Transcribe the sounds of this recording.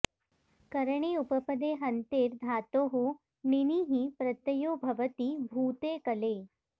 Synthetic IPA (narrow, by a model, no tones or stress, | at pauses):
kɐɾɳ̃eːupɐpəd̪eːɦɐnt̪eːɾd̪ʱaːt̪oːɦoː | niniɦipɾɐt̪ɐjoːbʱɐʋət̪ibʱuːt̪eːkɐleː